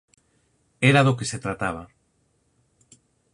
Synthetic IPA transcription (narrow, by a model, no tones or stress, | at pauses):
eɾaðokeset̪ɾat̪aβ̞a